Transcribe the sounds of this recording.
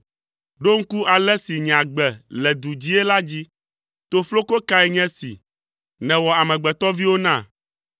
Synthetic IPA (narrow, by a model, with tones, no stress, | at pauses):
ɖo˦ŋ̩˦ku˦ʔa˨lɛ˦si˨ɲ˨ã˨ɡ͡bɛ˨lɛ˨d̪u˨d͡ʑi˦ɛ˦la˦d͡ʑi˦ | t̪o˦flo˦ko˦ka˦ɛ˦˨ɲɛ̃˦sḭ˨ | nɛ̃˨wɔ˨a˨mɛ̃˨ɡ͡bɛ˨t̪ɔ˦vi˦wo˦nã˦˨